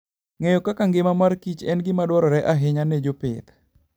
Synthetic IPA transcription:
ŋɛjɔkːakaŋɡemamarkit͡ʃɛnɡimaduaɾɔɾɛʔaɦeɲaned͡ʒopet̪

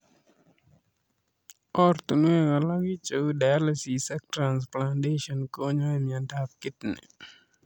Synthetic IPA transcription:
ɔrt̪unwɛkalaɡit͡ʃoudajalesisɛk̚tɾansplandeʃɔnkoɲɔɛmɪandap̚kɪtnɛ̰

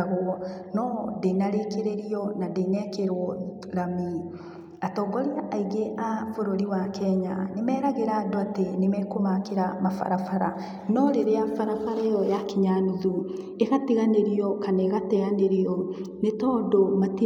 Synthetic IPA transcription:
ɣonɔdenaɾekeɾeɾiɔnadenɛkeɾwɔ | ɾami | atɔːɡɔɾeaʔaiɡeʔafoɾoɾiwakɛɲa̰nemɛːɾaɣeɾadoatenemɛkomakeɾamafa̰ɾafaɾa | nɔɾeɾeafaɾafaɾajɔjakeɲanuðu | eɣatiɣaneɾiɔkaneɣatɛaneɾiɔnetɔdomati

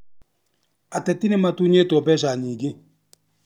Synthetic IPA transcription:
atɛtinematuɲetɔbɛʃaɲiːɡe

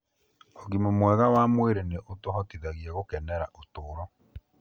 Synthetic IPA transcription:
ɔɣimomwɛɣawamweɾeneʔotoɦɔtiðaɣiɛɣokɛnɛɾaʔotoːɾɔ

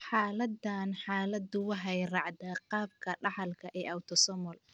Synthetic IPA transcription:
ħaːlɐd̪anħaːlɐd̪ʊwɑɦɛjrɑʕd̪aːqɑːb̚kʰɐɖɑħɑlkʰɐʔɛːʔɐwt̪ʰɔsɔmɔl

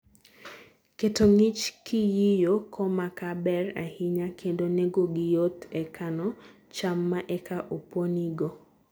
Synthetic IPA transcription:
ketoŋit͡ʃkʰijijokʰɔmakabɛra̰hɪɲakʰendonɛɡoɡɪjot̪ɛkʰanɔ | t͡ʃamːaʔɛkaʔopwoniɡo

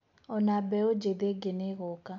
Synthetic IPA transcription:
ɔnabɛod͡ʒed̪eɡeneɣɔka

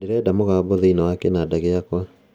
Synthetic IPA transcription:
neɾɛdamoɣaːbɔðeinawakɛnadaɣeakwa

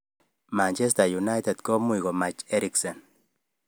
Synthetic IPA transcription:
mant͡ʃɛs̬tajunajt̪et̪kɔmuiɡɔmat͡ʃɛɾiksɔn

